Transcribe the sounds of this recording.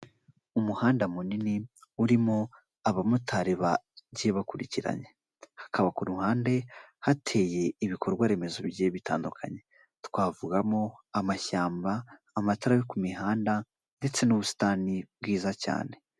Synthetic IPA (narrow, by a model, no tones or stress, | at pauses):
umuhaːndamuniniuɾimo̞ | aβamutʰaɾeβaɟeβakuɾiciɾa̰ɲe̞ | hḁkʰaβakuɾuhaːnde̞hatʰe̞ːje̞iβikʰo̞ɾɡwaɾe̞me̞zo̞βjeβita̰ːndukʰa̰ɲe̞ | twaːvuɡamo̞amaʃaːmbaː | mataɾaβikumiɦaːnda | nde̞t͡se̞nuβusi̥taːnibwiːzaca̰ːne̞